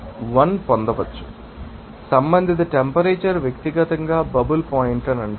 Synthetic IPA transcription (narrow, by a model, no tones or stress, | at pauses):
ʋɐnpɔnd̪ɐʋɐt͡ʃːu̥ | sɐmbɐnd̪ʱit̪̬ɐʈempɐɾeːt͡ʃɐɾʋjɐkt̪iɡɐt̪ɐŋɡaːbɐbɐlpoːjiɳʈɐnɐɳɖi